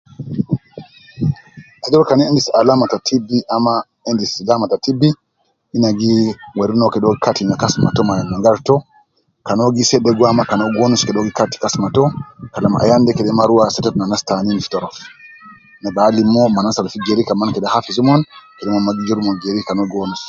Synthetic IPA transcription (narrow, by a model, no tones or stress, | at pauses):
ʔad͡ʒɔɾkanɛɛndisalamatatʰibːiʔama | ɛndislamatatibːi | ʔinaɡiwaɾinɔkɛɗɔɡikatiinakasma̰tɔmajanaŋɡaɾtɔ | kanoɡisɛɗɛɡwamakanɔɡonuskɛɗɔɡikati̥kasmatɔkalamʔa̰jandɛkɛɗɛmaɾuwasɛtɛtnanastaninifi̥tɔɾɔf | nɛɓalimːɔmanasalfid͡ʒeɾikamankɛɗɛhafizumɔnkɛɗɛmɔmaɡid͡ʒuɾumɔɡeɾikanɔɡonus